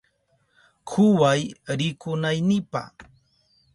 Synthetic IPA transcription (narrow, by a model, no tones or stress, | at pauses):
kʰʊwajɾɪkʊnajnɪpa̰